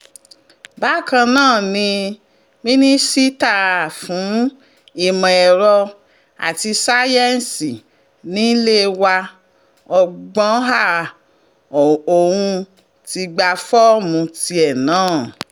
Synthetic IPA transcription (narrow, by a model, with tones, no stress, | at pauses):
ba˨˦kã˧nãː˦˨nĩ˧ | mĩ˦nĩ˦si˦ta˦˨fũ˨˦ | i˦˨mɔ̃˨ɛ˨ɾɔ˧ | a̰˨ti˧sa˦jɛ˦n˨si˨ | nĩ˦le˦wa˧ | ɔ˧ɡ͡bɔ̃˦ɦa˦˨ | o˨wũ˧ | ti˧ɡ͡ba˧fɔ˦mũ˧ti˧ɛ˨nãː˨˦˨